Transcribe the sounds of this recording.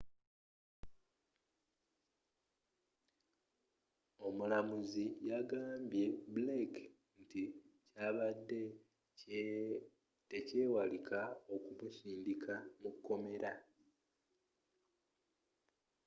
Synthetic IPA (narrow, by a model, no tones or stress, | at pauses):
o̞mulamuzijaɡaːmbje̞bulek | nticaːβadːe̞ | tece̞ːwalikʰao̞kumusiːndikʰamukːo̞me̞ɾa